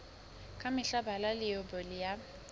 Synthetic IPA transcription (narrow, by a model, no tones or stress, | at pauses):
kʼamɪɬabalalɪobɔlɪja